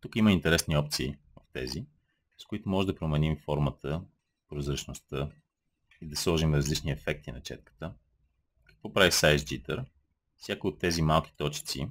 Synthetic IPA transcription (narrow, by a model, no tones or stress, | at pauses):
t̪ukiməint̪ɛɾɛsniɔp̚t̪siːvəft̪ɛ̰zi | skoit̪omɔʒɛd̪ɐpɾomɛnimfɔɾmət̪ə | pɾozɾət͡ʃnost̪ɤ | id̪ɐslˠɔʒimɾɐzlit͡ʃniɛfɛk̚t̪inɐt͡ʃɛ̰t̪̚kə̥t̪ə | kə̥kvɔpɾavisajzd͡ʒit̪ə̰ɾ | fsʲjakiot̪ːɛzimalˠkʲi̥t̪ɔt͡ʃi̥t̪sḭ